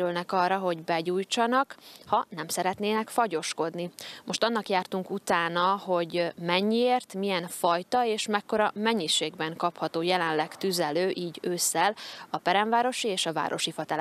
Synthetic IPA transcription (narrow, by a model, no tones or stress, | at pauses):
ylnɛkɒrːɒɦo̞ɟbɛɟuːjt͡ʃɒnɒkhɒnɛmsɛɾɛt̪neːnɛkfɒɟo̞ʃko̞d̪nimʔo̞ʃt̪ɒnːɒkjaːrt̪uŋkut̪aːnɒho̞ɟmɛɲːieːrt̪miɛnfɒjt̪ɒeːʃmɛkːo̞ɾɒmɛɲːiʃeːɡbɛŋkɒphɒt̪oːjɛlɛnlɛkt̪yzɛløːʔiːɟøːsːɛlɒpɛɾɛɱvaːɾo̞ʃieːʃɒva̰ːɾʔo̞ʃifɒt̪ɛl